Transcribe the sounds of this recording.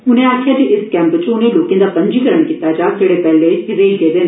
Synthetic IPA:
ʊnẽːaːkʰɪjaːd͡ʒiʔɪskɛ̃ːmpt͡ʃʊnẽːloːkẽːd̪aːpə̃ɲd͡ʒiːkəɾəɳkiːt̪ːaːd͡ʒaːsʰeɽepɛːleɪɾeːiɡeːd̪en

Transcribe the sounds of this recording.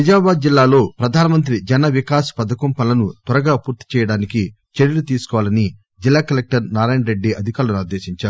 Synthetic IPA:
ɐd͡ʒaːbaːd̪̚d͡ʒilːaːlo̞ːpɾɐd̪ʱaːnɐmɐnt̪̬ɾid͡ʒɐnɐʋikaːspɐd̪ɐkompɐnlɐnut̪wɐɾɐɡaːpuːɾt̪i̥t͡ʃɛːjɐɽaːniki | t͡ʃeɾilut̪iːsu̥kɔʋaːlɐni | d͡ʒilːaːkɐlek̚ʈɐɾnaːɾaːjɳɾeɖːiʔɐd̪ʱikaːɾlɐniɾd̪e̞ːʃiɲt͡ʃaːɾu

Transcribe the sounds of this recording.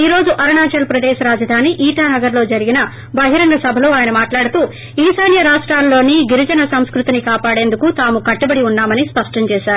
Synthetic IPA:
iːɾo̞ːd͡ʒuʔɐɾɐɳaːt͡ʃɐlpɾɐd̪eːʃɐɾaːd͡ʒɐd̪ʱaːniʔiːʈaːnɐɡɐɾlo̞ːd͡ʒɐɾiɡinɐ | bɐɦiɾɐŋɡɐsɐbʱɐloːaːjɐnɐmaːʈlaːɽut̪uː | iːsɐjnjɐɾaːʂʈɾaːlːo̞ːniɡiɾid͡ʒɐnɐsɐmskɾut̪inikaːpaːɽe̞ːnd̪ukut̪aːmukɐʈːubɐɽiunːaːmɐnispɐʂʈɐɲt͡ʃɛːʃaːɾu

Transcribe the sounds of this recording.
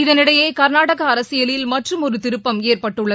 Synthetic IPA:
ɪðɐnɪɽɐjeːkɐɾnaːɽɐɣɐːɾɐsɪjɐlɪlmɐʈrɯmɔɾɯt̪ːɪɾɯpːɐmeːrpɐʈːɯɭːɐ

